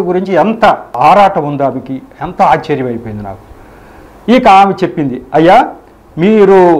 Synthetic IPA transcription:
ɡuɾiɲt͡ʃiɛnt̪ɐaːɾaːʈɐmund̪aːmikiɛnt̪ɐaːt͡ʃːeːɾjɐmɐjipoːind̪ina̰ːku̥ | ikɐaːmit͡ʃe̞pːind̪iɐjːaː | miːɾu

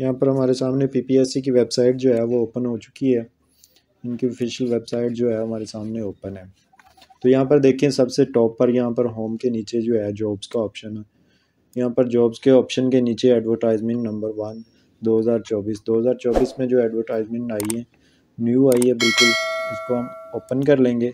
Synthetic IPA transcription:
jɐɦãpəɾɦɐmaːɾesaːmnepiːpiɛːsik̬iʋebsaːɪʈd͡ʒoːɦɛʋooːpənɦot͡ʃʊ̥kiɦɛː | ɪnkiofʰɪʃəlʋeːbsaːɪʈ̚d͡ʒoːɦɛɦɐmaːɾesaːmneoːpənɦɛː | t̪oːjɐɦãpɐɾd̪eːkʰiẽsɐbseʈɔːpːəɾjɐɦãpəɾɦoːmkeniːt͡ʃed͡ʒoːɦɛd͡ʒɔːbz̥kaɔːpʃənɛ | jɐɦãpəɾd͡ʒɔːbzkeɔːpʃənkeniːt͡ʃeɛːɖʋəɾʈaːɪzmɪ̃ɳʈnɐ̃mbəɾʋɐn | d̪oːɦəzaːɾt͡ʃɔːbiːsd̪oːɦəzaːɾt͡ʃɔːbiːsmẽd͡ʒoːɛːɖʋəɾʈaːɪzmɪ̃ɳʈaːiɦɛ̃ː | njuːaːiɦɛbɪlkʊlɪskoɦɐmoːpənkɐɾlẽːŋɡeː

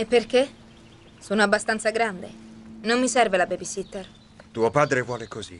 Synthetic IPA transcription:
epːerke | soːnoabːast̪ant̪saɡɾand̪ḛnomːisɛrvelabebisit̪ːer | t̪uopaːd̪ɾevwɔːlekozḭ

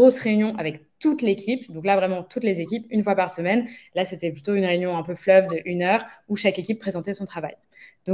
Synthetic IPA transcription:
ʁosʁeynjɔ̃ʔavɛkt̪ut̪lekʲipd̪ɔ̃klavʁɛmɑ̃t̪ut̪lezekʲipynfwapaʁsəmɛnlaset̪ɛplyt̪oynʁeynjɔ̃ɛ̃pøflœvd̪əʔynœːʁuʃakekʲipːχezɑ̃t̪ɛsɔ̃t̪χava̰j | d̪ɔ̃

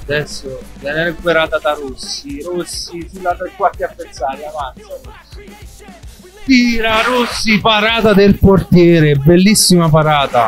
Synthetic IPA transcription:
ad̪ɛsːovjɛnɛɾɛɡweɾaːt̪ad̪aɾosːiɾosːifilːat̪ekwak̪iapːensaːɾavant̪saɾosːi̥ | t̪iːɾaɾosːipaɾaːt̪ad̪elport̪jɛːɾebelːisːimapaɾaːt̪a

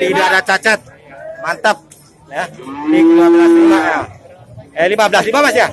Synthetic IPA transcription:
t̪idiadat͡ʃat͡ʃət̪̚ | mant̪əp̚ | janiŋlimabəlaslimaʔja | əlimabəlaslimamasia

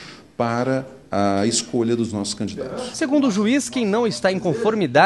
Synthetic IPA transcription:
paɾɐ | ɐeskoʎɐd̪ʊznɔsʊ̥skɐ̃nd͡ʒid̪a̰t̪ʊ̥sseɡũnd̪ʊʒuiskẽj̃nɐ̃w̃ɪst̪aẽj̃kõfoɾmid̪a

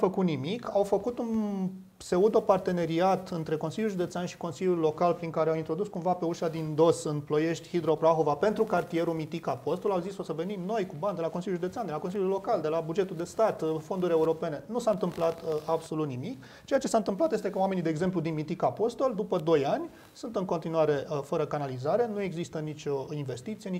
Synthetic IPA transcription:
fəkut̪nimikawfəkut̪un | se̞ud̪o̞part̪e̞ne̞ɾiat̪ɨnt̪ɾe̞ko̞nsiljulʒud̪etseanʃi̥ko̞nsilʲjulːo̞kalpɾiŋkaɾeawint̪ɾo̞d̪uskumvape̞uʃad̪ind̪o̞sɨnplo̞je̞ʃt̪ʲhid̪ɾo̞pɾaxo̞vape̞nt̪ɾukart̪ije̞ɾumit̪ikapo̞st̪o̞lawzisfosəve̞nimno̞jkuband̪elako̞nsilʲjulʒud̪eseand̪elakosiljulːo̞kald̪e̞labud͡ʒe̞t̪uld̪e̞st̪at̪fo̞nd̪uɾʲe̞uɾo̞pe̞ne̞nusaɨnt̪ɨmplat̪abso̞lut̪nimik | t͡ʃejat͡ʃe̞saɨnt̪ɨmplat̪je̞st̪e̞kəwamenid̪eːɡze̞mp̬lud̪inmit̪ikapo̞st̪o̞ld̪upəd̪o̞janʲ | sunt̪ɨŋko̞nt̪inuaɾe̞fəɾəkanalizaɾe̞nue̞ɡzist̪ənit͡ʃʲo̞inve̞st̪it̪sije̞n

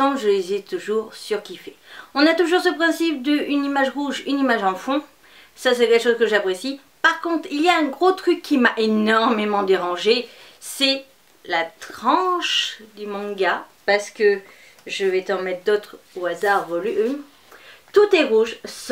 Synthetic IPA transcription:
ɑ̃ʒəd̪izɛt̪uʒuʁsyʁkʲifɛɔ̃nat̪uʒuʁsəpχɛ̃sip̚d̪əynimaʒʁuʒynimaʒɑ̃fɔ̃ | sasɛkʲɛlkəʃozkəʒapχesi | paʁkɔ̃t̪χiljaɛ̃ɡʁot̪χykʰːimaʔenɔʁmemɑ̃d̪eʁɑ̃ʒesɛ | lat̪χχɑ̃ʃd̪ymɑ̃ɡapaʁsə̥kə | ʒəvɛt̪ɑ̃mɛt̪χd̪ot̪χ | oazaʁvɔlyø | t̪ut̪ɛʁuʒs

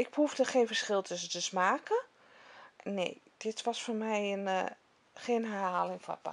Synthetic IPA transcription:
ɪɡ̚bəufdəxejnfəɹsχɪlˠtʰʏsətəsmaːkə | nḛjd̥ɪtʋɔsfoːrmɛjən | xeːnɦɛrɦaːlɪŋfɔ̰pa̰

